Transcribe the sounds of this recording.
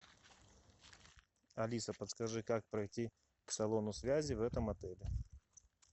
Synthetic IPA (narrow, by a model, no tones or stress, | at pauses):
ɐlʲisəpət̪skɐʐɨkak̚pɾɐjtʲi | ksɐlˠonʊsʲvʲæzʲɪvɛt̪əmɐt̪ɛlʲɪ